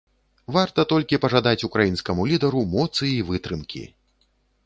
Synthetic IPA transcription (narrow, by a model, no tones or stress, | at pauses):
vart̪ɐt̪ɔlʲkʲipɐʐad̪at͡sʲukɾajinskɐmulʲid̪ɐɾumɔt̪sɨivɨt̪ɾɨmkʲḭ